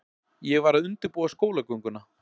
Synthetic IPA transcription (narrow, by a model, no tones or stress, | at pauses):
jɛɣvaɾaðʏnt̪ɪɾpuːwaskoːwlakœŋkʏnːa